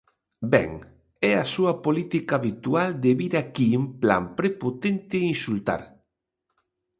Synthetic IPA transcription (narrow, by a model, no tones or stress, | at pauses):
bɛ̰ŋ | ɛasuɐpolit̪ikaːβit̪uald̪eβiɾakimpla̰mpɾepot̪ent̪ɪinsult̪a̰ɾ